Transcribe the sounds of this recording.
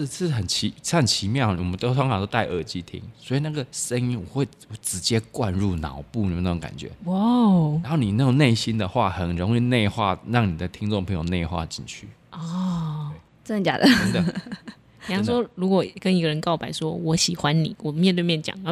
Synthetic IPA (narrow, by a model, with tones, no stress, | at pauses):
xə˨˩nt͡ɕʰi˨˧˦nt͡ɕʰi˧˦mjɑ˥˩ʊwɔ˨˩mə˦nt̪o˥ʊsʰɑ˥ŋhɑ˨t̪o˥t̪a˥˧ɪʔə˥˩t͡ɕi˥t̪ʰḭ˦ŋswɔ˧˥i˨na˥˩ɡə˨˩sə˦ŋi˦nwɔ̰˨˩xwe˥˩ɪwʈ͡ʂɻ̩˧˥t͡ɕjɛ˦kwa˥˧nɻu˥˩nɑ̰˨˩˦ʊpu˥˨ni˨˥˧o˧ŋka̰˨˩nt͡ɕɥɛ̰˨˦wa˥˩a˧˦nxo˥˩ni˨˩na˥˩o˨˩ŋne˥˩ɪɕi˦nd̪ə˨xwa˥˩xə˨˩nɻo˧˦ŋi˥˧ne˥˧ɪxwa˥˩ɻɑ˥˩ŋni˨˩d̪ə˩t̪ʰi˦˥ŋt͡so˥˨ŋpʰə˧˦ŋjo˨ʊne˥˧ɪxwa̰˥˧t͡ɕḭ˨˩nt͡ɕʰy̰˥˩ | ɔ˥˩e˨ | t͡sə˥˩nə˧t͡ɕja̰˨˩d̪ə˨ə˥˧d̪ə˨ | i˨˩ɑ˥ŋʂwɔ˥ɻu˧˥kwɔ˨˩kə˦ni˧˥ɡə˨ɻə˧˦nkɑ˥˩ʊpa˨˩ɪʂwɔ˦˥wɔ˧˥ɕi˨˩xwa˦nnḭ˨˩˦wɔ˨˩mjɛ˥˧nt̪we˥˧ɪmjɛ˥˨nt͡ɕjɑ̰˨˩ŋə˨˦